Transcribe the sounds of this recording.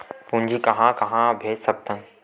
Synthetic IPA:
pũːɲd͡ʒʱikɐɦãkɐɦãbʱeːd͡ʒsɐk̚t̪ən

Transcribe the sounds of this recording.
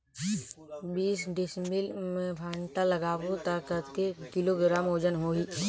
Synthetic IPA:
biːsɖɪsmɪlmẽbʰʱaːɳʈ̪aləɡaːbot̪aːkət̪kekɪloɡɪɾaːmoːd͡ʒənɦoːiː

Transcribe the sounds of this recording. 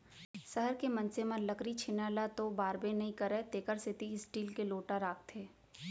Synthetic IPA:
sɐɦəɾkemɐ̃nseməɾləkɾit͡ʃʰɪnaːlat̪obaːɾbẽnɐɦĩkɐɾɛːt̪eːkəɾsɪt̪iɪsʈiːlkeloːʈaɾaːk̚t̪ʰeː

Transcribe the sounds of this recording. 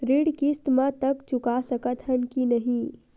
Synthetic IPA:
ɾiɽkist̪mãt̪əkt͡ʃʊkasəkət̪ɦənkinəɦĩ

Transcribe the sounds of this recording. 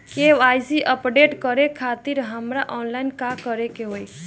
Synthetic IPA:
keʋajziʔəpɖeʈkəɾekʰat̪iɾɦəmɾaʔɔnlainkakəɾekeɦoj

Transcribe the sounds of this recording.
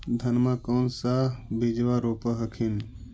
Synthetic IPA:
d̪ʱənmakoːnsaːbid͡ʒʋaːɾoːpəɦəkʰin

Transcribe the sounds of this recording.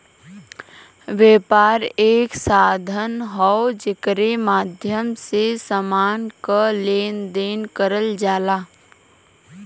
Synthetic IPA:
ʋɛːpaːɾeːksaːd̪ʱənɦɔod͡ʒɪkɾemaːd̪ʱjəmsesəmaːnkaleːnd̪eːnkəɾəld͡ʒaːlaː

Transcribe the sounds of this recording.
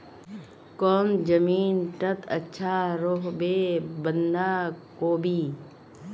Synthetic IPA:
kɔːnd͡ʒəmiːnʈət̪ʰətːʃʰaɾoɦbebənd̪aːkoːbʱiː

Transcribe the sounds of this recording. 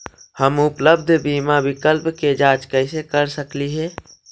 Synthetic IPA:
həmʊpləb̚d̪ʱbiːmabɪkəlpked͡ʒaːt͡ʃkɛɪsekəɾsəkliɦɛː

